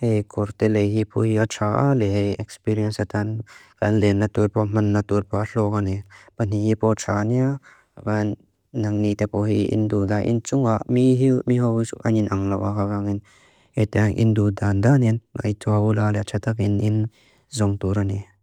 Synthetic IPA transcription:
hejkʰɔɾt̪ɛlejɦipʰɔhiat͡ʃʰaʔa̰lɛɦejɛkspiɾiɐnsat̪ankanlenːat̪uɾpɔm̥ɐnːaturpaɬɔkanipan̥ihipɔt͡ʃʰania | banː | ɐŋnit̪ɛpɔɦiḭnd̪ud̪aʔḭnt͡suŋaʔmiɦimiɦɔsuʔaninʔɐŋlawʔakakaŋin | het̪ɛaŋʔḭndud̪and̪aninŋa̰jtʰɔaulalɛt͡ʃʰat̪akinin | zɔŋt̪uɾani

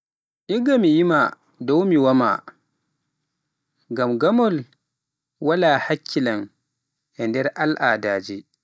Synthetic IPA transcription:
ʔiɡamijima | dɔwmiwama̰ | ɡamɡamɔl | walahakʰʲːilan | ʔɛndɛɾʔalʔaːdaːd͡ʒi

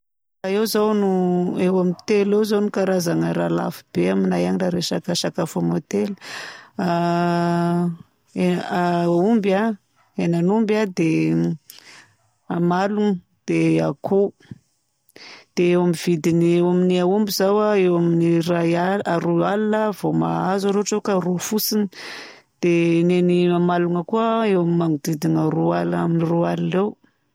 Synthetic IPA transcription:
aewzawnuewamit̪elewzawnukaɾazaŋəɾala̰fib̥eaminajaniraɾeʃakaʃakafamot̪eli̥a | eaumba | enanumbad̪e | amalunə | d̪̥eakʰu | d̪̥eewamiv̥id̪iniewaminiaumbizawaewaminiɾajaaɾualinəvoma̰azaɾeʈ͡ʂewkaɾufusini | d̪̥eneniamaluŋəkuəewamimaŋud̪id̪inaɾualaminirualilew

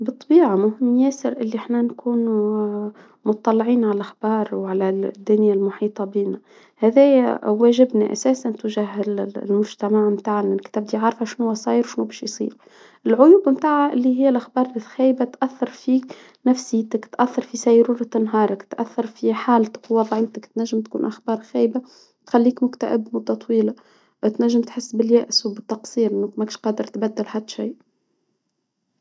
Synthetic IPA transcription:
bɨt̪ˤːɑbiːʕamʊhɪmːjæːsɪɾʔɪlːiʔaħnænkʰuːn | mʊtt̪ˤːɑlːʕiːnʕalæʔxbɑːɾˤwʕalæd̪ːʊnjalmʊħiːt̪ˤɑbiːnæ | hæðɛːjwæːʒɪbnaʔæ̰sæːsant̪wʒaɦɪlmʊʒt̪æmaʕmt̪aːʕnɪkt̪æːb̚d̪iʕaɾˤfhæʃnhʊwæsˤɑːjɾwʃnubæːʃjsˤḭːɾu | ʔɪlʕʊjuːbmt̪aːʕaʔɪlːiɦɪjːælʔaxbɑːɾˤlxæːjbat̪ʔæθːɑɾˤfiːk | næfsiːt̪ɪkt̪ʔæθːɑɾˤfisæjɾuːɾat̪ɪnːɦɑːɾˤɪkt̪ʔæθːɑɾˤfiħaːlt̪ɪ̥kwɑðˤʕɪːt̪ɪkt̪næʒːɪmt̪kṵːnʔaxbɑːɾˤxæːjba | t̪xalːiːkmʊkt̪a̰ʔɪbmʊd̪ːɑt̪ˤwiːla | t̪næʒːɪmt̪ħɪsːbɪljæːʔswbɪt̪ːɑqsˤiːɾʔɪnːukmækʃqɑːd̪əɾt̪bæd̪ːɪlhad̪ːʃiː

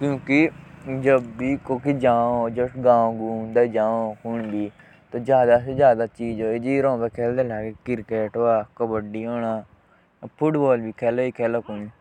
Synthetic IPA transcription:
kjõːkɪd͡ʒəbːiːkoːkid͡ʒãːoːd͡ʒəʈɡãːõɡũːnd̪aːd͡ʒãːhʊɳbiː | t̪oːd͡ʒjaːd̪aːsed͡ʒjaːd̪aːt͡ʃiːd͡ʒoːeːd͡ʒiɾɔ̃ːpɛːkʰɛːld̪eːlɛːkekɪɾkeːʈoːaːkəbəɖiːoːnaː | pʰʊʈbɔːlbiːkʰɛːlaːiːkʰɛːlaːkʊni

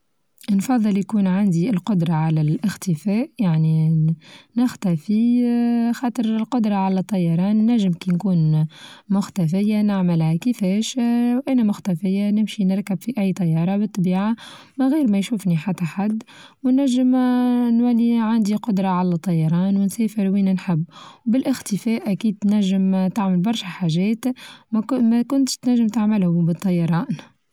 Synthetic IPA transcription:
nfɑðˤːɨljkuːnʕand̪iɪlqʊd̪ɾˤɑʕalælʔɪxt̪əfæːʔjaʕni | nɪxt̪æfi | xɑːt̪ˤəɾɪlqʊd̪ɾˤɑʕalæt̪ˤːɑjːɑɾˤɑːnnːæʒːɪmkinkuːnmʊxt̪æfɪjːanɪʕməlhækəfɛːʃwʔænæmʊxt̪æfɪjːanɪmʃinɪɾkəbfiʔæjːt̪ˤɑjːɑːɾˤɑbɨt̪ˤːɑbiːʕa | mæɣiːɾmæjʃuːfniħat̪ːæħad̪ːwnːæʒːəmnwælːiʕand̪iqʊd̪ɾˤɑʕalæt̪ˤːɑjːɑɾˤɑːnwɪnsɛːfɪɾwiːnænħɪbːwbɪlʔɪxt̪əfɛːʔækiːd̪̚t̪næʒːɪmt̪aʕmɪlbɑɾˤʃæħaʒɛːt̪ | mækʊnt̪ʃt̪næʒːɪmt̪aʕmɪlhʊbət̪ˤːɑjɑɾˤɑːn

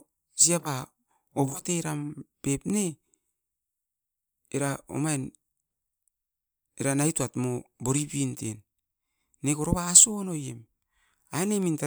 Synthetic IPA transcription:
siapa | oβakteɾampe̞pne | ɾao̰majn | eɾanajtuatmobo̞ɾipintenː | ekoɾoβaːso̞no̞jḛm | aeneminta

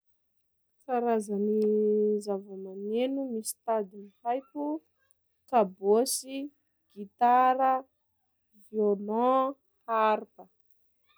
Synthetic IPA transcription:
t͡saɾazanizavamanenumisi̥t̪ad̪inihajku | kabosi | ɡ̥it̪aɾə | vjonɔ̃ | haɾpə

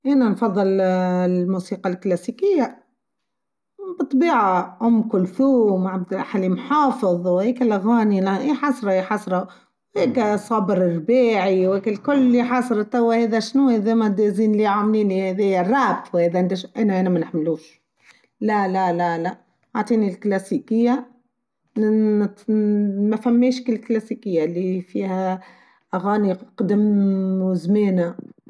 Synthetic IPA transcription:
ʔɪnanfɑðˤːɨl | muːsiːqɑlklasiːkɪjːa | bɨt̪ˤbiːʕaʔʊmːkʊlθuːmʕabd̪aħalimħɑːfɨðˤwheːkalːaɣaːniliħɑsˤɾˤɑiħɑsˤɾˤɑ | wheːkasˤɑbɾɪɾbeːʕiwekælkʊlːiħɑsˤɾˤɑt̪æwːæheːðæʃnuːheðeːmæd̪eziːnliʕamliːnihæðejærˤɑːfwheːðæʕnd̪æʃʔænæʔænæmænɪħmluːʃ | lælælælæ | ʕaʕt̪ˤiːnilklæsikɪjːa | mæfæmːeːʃkɪlːklæsiːkɪjːalːifiːhæ | ʔæɣaːniqd̪ɪmwzmeːna

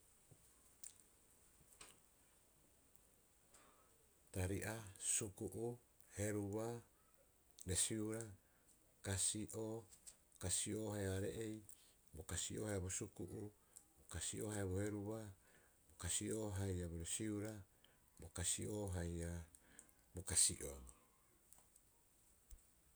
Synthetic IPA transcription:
taɾiʔasukuʔu | he̞ɾuβa | ɾesiuɾa | kasiʔo | kasioːɦajaɾe̞̰ʔej | bokasiʔo̞ːhajabosukuʔu | bokasiʔohajaβohe̞ɾuβa | bokasioɦajaboɾesiuɾa | bokasioɦaja | bokasḭʔoŋ

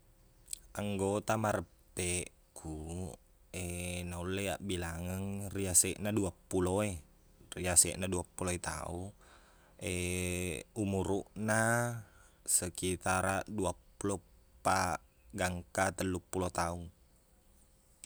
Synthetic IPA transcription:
aŋɡot̪amaɾəpːe | kʰu | enaulːeaʔbilaŋəŋriasɛʔnaduapːuloe | riasɛ̰ʔnaduapːuloet̪a̰u | e | umuɾuʔna | səkit̪aɾaduapulopa | ɡaŋkat̪əlːupulot̪auŋ

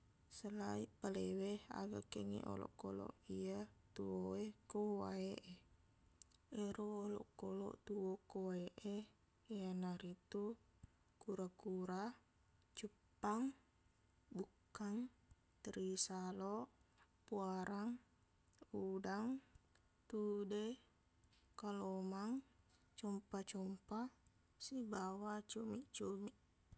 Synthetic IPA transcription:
səlaipəlewɛha̰ɡaʔkeŋḭʔo̰lɔ̰ʔkolɔ̰ʔijat̪uoekowa̰eʔe | eɾuolɔ̰ʔkolɔ̰ʔt̪uokowaeʔe | eanaɾit̪u | kuɾakuɾa | t͡ʃupaŋ | bukːaŋ | t̪ɾisaloʔ | puaɾaŋ | udaŋ | t̪ude | kalomaŋ | t͡ʃɔmpat͡ʃɔmpa | sibawat͡ʃomiʔt͡ʃumiʔ

